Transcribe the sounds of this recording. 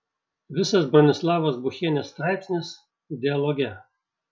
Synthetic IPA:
ʋʲɪsɐsbɾɔnʲɪslˠɑːʋoːsbʊxʲeːnʲesːt̪ɾɑɪpʲsʲnʲɪs | ɪd̪ʲɛɔlˠɔɡʲɛ

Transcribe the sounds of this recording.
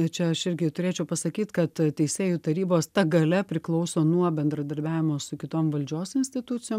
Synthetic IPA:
t͡ʃʲɛɐʃɪɾʲɡʲɪt̪ʊɾʲeːt͡ʃʲɛʊpɐsɐkʲiːt̪kɐt̪tʲɛɪsʲeːjʊt̪ɐɾʲiːboːst̪ɐɡɐlʲɛpʲɾʲɪklˠɐʊsoːnuɔbʲɛnd̪ɾɐd̪ɐɾʲbʲæːʋʲɪmoːssʊkʲɪt̪oːmʋɐlʲd͡ʒʲoːsɪnʲsʲt̪ʲɪt̪ʊtt͡sʲɪjoːm

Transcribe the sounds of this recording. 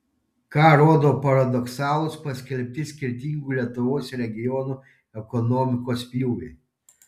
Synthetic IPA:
kɑːɾoːd̪oːpɐɾɐd̪ɔksɑːlˠʊspɐsʲkʲɛlʲpʲt̪ʲɪsʲkʲɪɾʲt̪ʲiːˑŋɡuːlʲiɛt̪ʊʋoːsɾʲɛɡʲɪjɔnu | ɛkɔnɔːmʲɪkoːspʲjuːʊʋʲeː

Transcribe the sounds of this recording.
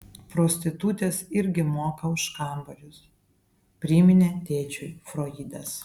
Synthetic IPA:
pɾoːsʲt̪ʲɪt̪ut̪ʲeːsɪɾʲɡʲɪmoːkɐʊʃkɑˑmbɐlʲʊs | pʲɾʲɪmʲɪnʲeːt̪ʲeːt͡ʃʲʊjfɾoːiːd̪ɐs

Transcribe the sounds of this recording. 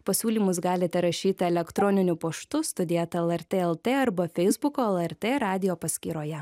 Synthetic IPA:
pɐsʲuːlʲiːmʊsɡɑːlʲɪt̪ʲɛɾɐʃʲiːt̪ʲɪɛlʲɛkt̪ɾɔːnʲɪnʲʊpɐʃt̪ʊst̪ʊd̪ʲiɛt̪ɐɛlˠɛɾʲt̪ʲeːɛlˠt̪ʲeːɐɾbɐfʲɛɪzbʊkoːɛlˠɛɾʲt̪ʲeːɾɑːd̪ʲɪjoːpɐsʲkʲiːɾoːjɛ

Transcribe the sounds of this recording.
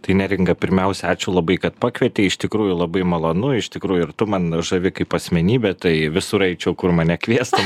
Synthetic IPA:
t̪ɐɪnʲɛɾʲɪŋɡɐpʲɪɾʲmʲɛʊsʲɛɑːt͡ʃʲʊːlˠɐbɐɪkɐt̪pɑːkʋʲɛt̪ʲɛːɪʃt̪ʲɪkɾuːjʊlˠɐbɐɪmɐlˠonʊɪʃt̪ʲɪkɾuːjʊɪrt̪ʊmɐnʒɐʋʲɪkɐɪpɐsʲmʲɛnʲiːbʲɛt̪ɐɪʋʲɪsuɾɐɪt͡ʃʲoːkʊrmɐnʲɛkʋʲiɛst̪ɐ

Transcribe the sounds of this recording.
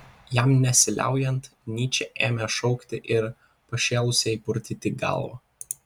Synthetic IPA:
jæmnʲɛsʲɪlʲʔæ̰ˑʊjɛnt̪nʲiːt͡ʃʲɛʔeːmʲɛʃɔʊkt̪ʲɪʔɪɾ | pɐʃʲɛlˠʊsʲɛɪpʊɾʲt̪ʲit̪ʲɪɡɑ̰lˠʋɐ

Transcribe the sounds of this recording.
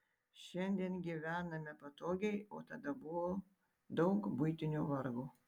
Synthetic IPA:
ʃʲɛnʲd̪ʲiɛnɡʲiːʋʲæːnɐmʲɛpɐt̪oːɡʲɛɪo̰ːt̪ɐd̪ɐbʊʋoː | d̪ɒʊkbʊɪt̪ʲɪnʲuʋɐɾɡuː

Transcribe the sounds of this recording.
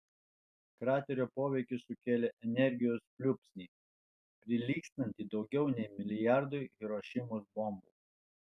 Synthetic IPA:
kɾɑːt̪ʲɛɾʲoːpoːʋʲɛɪkʲɪsʊkʲeːlʲeʔɛnʲɛɾʲɡʲɪjoːspʲlʲʊpʲsʲnʲiː | pʲɾʲɪlʲiːksʲt̪ɐnʲt̪ʲiːd̪ɒʊɡʲɛʊnʲɛɪmʲɪlʲɪjɑˑɾd̪ʊiɾoːʃʲɪmʊsbɔmbṵ

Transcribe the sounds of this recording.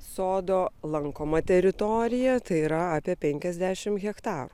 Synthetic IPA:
soːd̪oːlˠɐŋkoːmɐt̪ʲɛɾʲɪt̪ɔɾʲɪjɛt̪ɐɪiːɾɐaːpʲiɛpʲɛŋʲkʲɛzʲd̪ʲæːʃʲɪmɣʲɛkt̪ɑːɾu

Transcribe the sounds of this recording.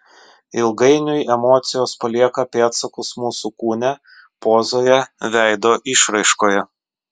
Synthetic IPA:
ɪlˠɡɐɪnʲʊjɛmoːt̪sʲɪjoːspɐlʲiɛkɐpʲeːt̪sɐkʊsmuːsukuːnʲɛ | poːzoːjɛʋʲæˑɪd̪oːʔɪʃɾɐɪʃkoːjɛ

